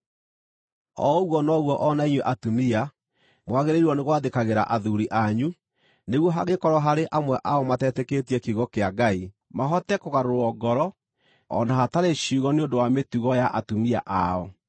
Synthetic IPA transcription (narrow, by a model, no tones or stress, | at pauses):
ɔ̰ɣwɔnɔɣwɔʔɔnaiɲweʔatumia | mwaɣeɾeiɾɔneɣwaðekaɣeɾa̰ʔaðuɾiʔaɲu | neɣwɔɦaɣekɔɾɔɦaɾeʔamwɛʔaɔmatɛtɛketiɛkiɣɔkeaɡai | maɦɔtɛkoɣaɾoɾɔɡɔɾɔ | ɔ̰naɦataɾeɕuɣɔneondowametuɣɔjaʔatumia̰ʔaɔ